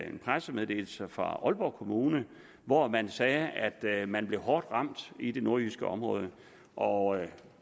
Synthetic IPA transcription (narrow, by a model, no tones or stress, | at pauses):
enpʰʁasəmeðˠd̥e̝̰ːl̩səfʁɑ̈ʔɒ̽lb̥ɒʊ̰kʰo̝muːnə | ʋɒmænsɛːæd̥mænb̥le̝ʊɦɒːd̥ʁɑ̈m̰d̥id̥e̝no̝ɐysɡ̥əɒ̽mʁɔ̽ːð̞ˠə | ʔɒ̽